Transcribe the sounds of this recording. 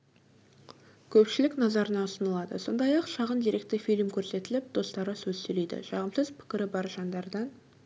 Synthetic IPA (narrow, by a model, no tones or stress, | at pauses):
kʲʰɵpʃɪlɪknɑzɑɾənɑʊsənəlˠɑd̪ə̰so̞̰nd̪ɑjɑqʃɑʁənd̪ijɾe̞kt̪ɪfijlmkʲʰɵɾse̞t̪ɪlɪp̚d̪̥o̞st̪ɑɾəsɵzsɵjle̞jd̪ɪ̰ʃɑʁəmsəzpʰɪ̥kʲɪɾɪbɑɾʒɑnd̪ɑɾd̪ɑn